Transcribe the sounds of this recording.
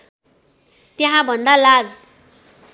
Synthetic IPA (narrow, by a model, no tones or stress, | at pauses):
t̪jeɦãbʱʌnd̪alad͡z